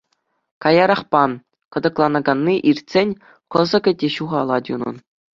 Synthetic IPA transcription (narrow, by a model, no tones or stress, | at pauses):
kɑjɑɾɑχpɑn | kɤ̆d̪ɤ̆klˠɑnɑɡɑnːiʔirtʲsʲenʲ | kɤ̆zɤ̆ɡʲɘ̆dʲeɕuʁɑlˠɑtʲunɤ̰̆n